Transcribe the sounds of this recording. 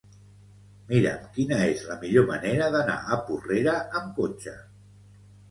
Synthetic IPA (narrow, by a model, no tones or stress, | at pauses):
miɾə̰mkinəezləmiʎoməneɾəðəna̰ʔəpureɾəəmkot͡ʃə